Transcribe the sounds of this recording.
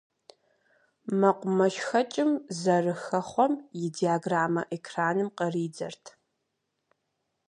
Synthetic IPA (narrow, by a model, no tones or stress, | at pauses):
mɐqʷʊmɐʃxɐt͡ʃʼɪmzɐrɨxɐχʷɔmjɪdiaːɡraːmɐʔekʰraːnɨmqɐriːd͡zɐ̰rtʰ